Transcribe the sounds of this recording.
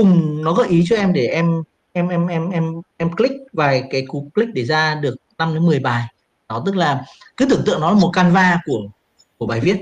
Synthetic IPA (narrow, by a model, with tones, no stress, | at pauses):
ʊ˨˩ŋ͡mnɔ˨˦kɔ˨˦ʔi˨˦t͡ɕɔ˧ʔɛ˧mɗe˧˩ʔɛ˧m | ʔɛ˧mʔɛ˧mʔɛ˧mʔɛ˧mʔɛ˧mklï˦˥k̚vaː˨˩jkaː˨˦jku˨˦kli˦˥k̚ɗe˧˩zaː˧ɗɨ˨˩ək̚na˧mɗe˨˦mɨ˨˩əjɓaː˨˩j | nɔ˨˦t̪ɨ˦˥k̚laː˨˩ | kɨː˨˦t̪ɨ˧˩əŋɨ̰˧˨ŋnɔ˨˦laː˨˩mo˨˩t̚kaː˧nvaː˧ku˧˩ə | ku˧˩ɓaː˨˩jvi˦˥ət̚